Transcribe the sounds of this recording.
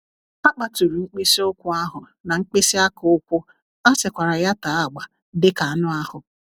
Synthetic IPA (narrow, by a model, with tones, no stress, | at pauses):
a˦k͡pa˨tu˨ɾu˨ŋ͡m̩˦k͡pi˦si˦o˦kʷʊ˦a˦ɦʊ˨ | na˨ŋ͡m̩˦k͡pi˦si˦a˦kʊ˨ʊ˦kʷʊ˦ | a˦sɪ˨kʷa˨ɾa˨ja˦ta˨˦a˦˨ɡ͡ba˨ | dɪ˦ka˨a˨nʊ˦a˦hʊ˨